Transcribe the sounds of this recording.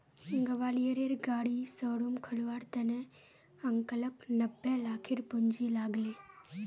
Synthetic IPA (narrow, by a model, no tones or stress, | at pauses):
ɡɐʋaːlijəɾeɾɡaːɽisəːɽumkʰəlʋaːɾt̪ənẽ | əŋkələknəbːelaːkʰɪɾpʊɲd͡ʒilaːɡleː